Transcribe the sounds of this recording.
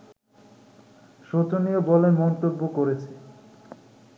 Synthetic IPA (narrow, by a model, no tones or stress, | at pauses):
ʃot̪oniobɔlemɔnt̪obːokoɾet͡ɕʰe̥